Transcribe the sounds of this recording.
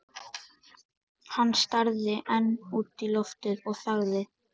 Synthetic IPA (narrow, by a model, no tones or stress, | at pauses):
hanːst̪aɾðɪʔɛnːuːt̪ilɔft̪ɪðɔɣθaɣðɪ